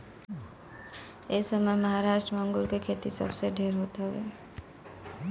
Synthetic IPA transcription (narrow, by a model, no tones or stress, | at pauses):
esəməeməɦaɾaʃʈɾəmaːŋɡuɾkekʰet̪isə̰bseɖʱeɾɦot̪ɦɔʋḛ